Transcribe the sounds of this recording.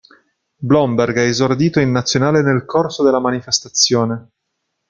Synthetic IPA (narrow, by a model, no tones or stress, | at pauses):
blɔmberɡaezord̪iːt̪oinːat̪sːjonaːlenelkʰorsod̪elːamanifest̪at̪sːjoːne